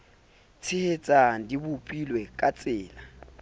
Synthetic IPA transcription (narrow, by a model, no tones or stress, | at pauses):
t͡sʰɪhet͡sʼandibupʼilwɛkʼat͡sʼɪːla